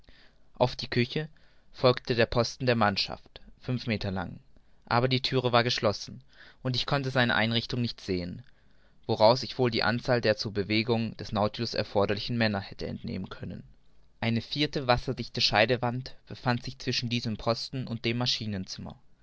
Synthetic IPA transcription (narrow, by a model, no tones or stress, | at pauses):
ʔaʊfd̥iːkʰʏçə | fɔlktʰədeːɐpʰɔstn̩deːɐmanʃa̰ftfʏnfmeːtʰɐla̰ŋ | ʔaːbɐdiːtʰyːʁ̞əvaːɐɡəʃlɔsn̩ | ʔʊntɪçkʰɔntəzaɪnə̰ʔaɪnʁɪçtʊŋnɪçtz̥eːən | v̥oʁaʊsɪçv̥oːldiːʔa̰nt͡saːldeːɐt͡suːɐbəveːɡʊŋd̥ɛsnaʊtiʊsɛ̰ɐfɔɐɾɐlɪçn̩mɛnɐhɛtəɛ̰ntnḛːmənkʰœnə̰n | ʔaɪnəfiːɐtəvasɐdɪçtəʃaɪdəvantb̥əfantz̥ɪçt͡sv̥ɪʃn̩diːzəmpʰɔstn̩ʊnt̚d̥eːmːaʃiːnənt͡sɪmɐ̰